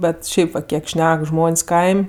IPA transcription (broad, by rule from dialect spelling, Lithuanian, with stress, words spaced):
ˈbʲɛt ˈʃʲɛɪp ʋɐt ˈkʲiɛk ˈʃʲnʲɛk ˈʒmoːnʲsʲ ˈkɐɪmʲ